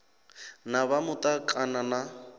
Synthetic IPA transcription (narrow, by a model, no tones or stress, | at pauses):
nabamʊtʼakʼanana